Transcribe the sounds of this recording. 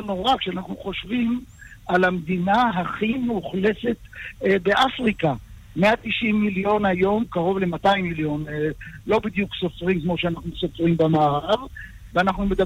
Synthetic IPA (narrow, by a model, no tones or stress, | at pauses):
noʁakʃeanaχnuχo̞ʃvim | alamd̪inaɦaχimuχle̞te̞t̪be̞ʔafʁika | me̞at̪iʃimːiljo̞najo̞mkaʁo̞vle̞mat̪aimːiljo̞nlo̞bid̪jukso̞fʁimkmoʃeanaχnuso̞fʁimbamaːʁav | veanaχnume̞d̪a